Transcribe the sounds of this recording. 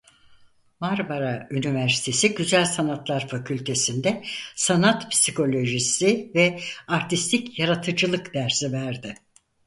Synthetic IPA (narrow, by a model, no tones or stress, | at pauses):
maɾbaɾaynivæɾsi̥t̪ʰe̞siɟyzælʲsanat̪lˠaɾfacʰylʲt̪ʰe̞sind̪ɛsanat̪pʰi̥sikʰo̞lʲo̞ʒisivɛaɾt̪ʰist̪ʰicjaɾat̪ʰɯd͡ʒɯlˠɯkd̪æɾsivæɾd̪ɪ